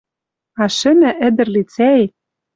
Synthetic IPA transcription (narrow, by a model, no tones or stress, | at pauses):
ɑʃɘ̆næʔɘ̆d̪ɘ̆rlit͡sæe